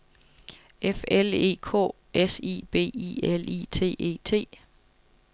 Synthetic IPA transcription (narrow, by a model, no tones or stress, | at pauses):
ʔefele̝̰ːkʰɔ̰ː | esḭb̥e̝̰ːḭelḭt͡sʰe̝̰ːe̝̰ːt͡sʰe̝̰ː